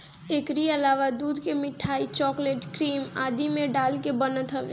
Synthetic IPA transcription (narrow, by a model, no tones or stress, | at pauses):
eːkɾiɐlaːʋad̪uːd̪kemɪʈʰaːit͡ʃɔːkleːʈkɾiːmaːd̪imẽɖaːlkebɐnət̪ɦɐʋḛ